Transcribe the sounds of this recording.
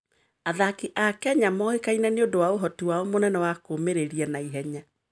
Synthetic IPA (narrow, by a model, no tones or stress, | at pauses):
aðakiʔakɛaɲamɔekainɛneodowaoɦɔtiwaɔmonɛnɛwakomeɾeɾiɛnaiɦɛɲa